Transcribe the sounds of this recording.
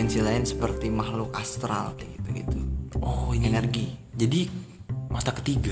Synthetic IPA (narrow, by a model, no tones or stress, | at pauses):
ɛnsilaɪnsəpərt̪imahlʊkast̪ɾa̰lɡit̪uɡḭt̪uɔhinɛnərɡid͡ʒadi | mat̪akə̥t̪iɡa